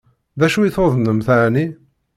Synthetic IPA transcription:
ðæʃuiθoðˤnəmθaʕni

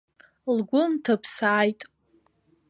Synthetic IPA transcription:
lɡʷʊntʰapʰsaːjtʼ

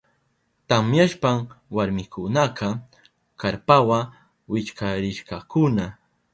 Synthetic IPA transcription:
t̪amjaʃpamwaɾmɪkʊnaqɑ | kaɾpawa | wɪt͡ʃkʰaɾɪʃkɑkʊna

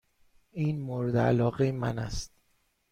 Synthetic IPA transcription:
ʔiːnmoɾed̪eælɒːɣejemænæst̪̚

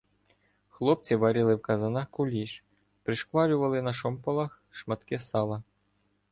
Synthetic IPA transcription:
xlˠɔp̚t͡sʲiʋɐɾʲilˠɪwkɐzɐnɑxkʊlʲiʃ | pɾɪʃkʋɑlʲʊʋɐlˠɪnɐʃɔmpɐlˠɐx | ʃmɐt̪kɪsɑlˠɐ

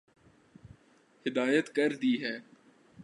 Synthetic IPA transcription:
hɪd̪aːjət̪kəɾd̪iːɦɛː

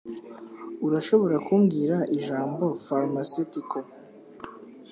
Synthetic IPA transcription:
uɾaʃo̞βo̞ɾakuːmɡiːɾaʔiʒaːmbo̞faɾmasitiko

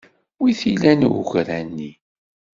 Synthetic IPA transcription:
wiθilænʊ̰xɾænːi

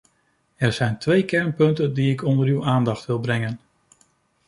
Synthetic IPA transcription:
ɛɹz̥ɛjntʋejkɛɹnpɵntəndiɪkɔndəɹywʔaːndɑχtʋɪlˠbrɛŋən

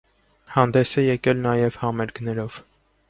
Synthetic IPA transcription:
hɑnd̪ɛsɛjɛkɛlnɑjɛv̥hɑmɛɾɡnɛɾɔv̥

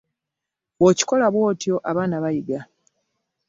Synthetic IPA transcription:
βoːci̥ko̞laβwo̞ːtjo̞ʔaβaːnaβajiɡa

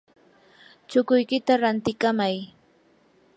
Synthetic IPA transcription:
t͡ʃʊkʊjkɪt̪aɾant̪ɪkamaj

